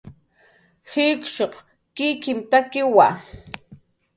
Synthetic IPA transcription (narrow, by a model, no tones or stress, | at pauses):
hɪkʃoχ | kɪkɪmt̪akɪwa